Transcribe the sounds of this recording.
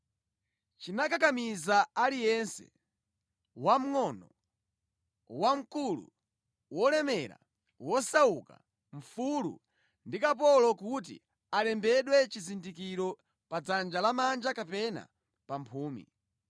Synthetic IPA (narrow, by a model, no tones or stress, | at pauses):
t͡ʃinakakamizaalijɛnsɛ̰ | wam̩ŋɔnɔ | wam̩kulṵ | wɔlɛmɛɾa̰ | wɔsauka̰ | ɱ̩fulṵ | ndikap̬ɔlɔkut̬ḭ | alɛmbɛɗwɛt͡ʃizindikiɾɔ | pad͡zand͡ʒalamand͡ʒakapɛna̰ | pampʰuːmḭ